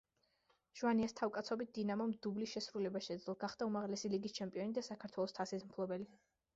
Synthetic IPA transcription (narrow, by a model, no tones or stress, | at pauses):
ʒ̥uaniast̪ʰafkʼat̪sʰɔbit̪̚d̪̥inamɔmd̪ublisʃɛsɾulɛbaʃɛd̪zɛlˠɡaχd̪aumaʁlɛsiliɡist͡ʃʰɛmpʼiɔnid̪asakʰaɾt̪ʰwɛlˠɔst̪ʰasismpʰlˠɔbɛli